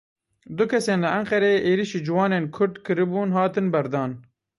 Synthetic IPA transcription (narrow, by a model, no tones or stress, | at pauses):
d̪ʊkʲʰɛseːnlɨʔɛŋqɛɾeʔeːɾiʃiːd͡ʒɪwɑːneːnkʰʊɾd̪kɨɾɨbuːnɦɑːt̪ɨnbɛɾd̪ɑːn